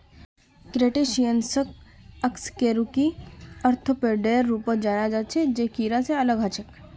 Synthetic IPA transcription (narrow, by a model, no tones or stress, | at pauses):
kɾeʈeːʃijənsək̚əkskeːɾukiəɾt̪ʰəpeɖeːɾːuːpəd͡ʒaːɾad͡ʒat͡ʃʰed͡ʒeːkiːɾaseɐləɡɦat͡ʃək